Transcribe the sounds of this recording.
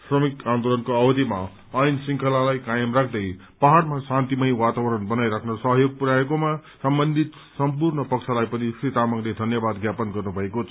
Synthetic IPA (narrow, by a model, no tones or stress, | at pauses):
srʌmikãnd̪olʌnkoʌbʌd̪ʱima | ʌjnsiŋkʰʌlalajkajʌmrakʰd̪ʌj | paɦarmasãnt̪imʌj̃wat̪abʌɾʌnbʌnajɾakʰnʌsʌɦʌjoɡ̚puɾaekomasʌmbʌnd̪ʱit̪ | sʌmpurnʌpʌksʰalajpʌnikrit̪amʌɡled̪ʱʌnjʌbad̪ɡjapʌnɡʌrnubʱʌekot͡sʰ